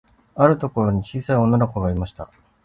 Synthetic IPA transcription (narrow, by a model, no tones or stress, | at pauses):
aɾɯ̟t̪o̞ko̞ɾo̞ɲ̟it͡ɕiːsaio̞nanako̞ɡaimaɕi̥t̪a̰